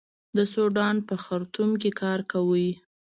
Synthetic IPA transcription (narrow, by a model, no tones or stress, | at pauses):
d̪əsoɖɑnpəxaɾt̪umk̬ekʰɑɾkawəj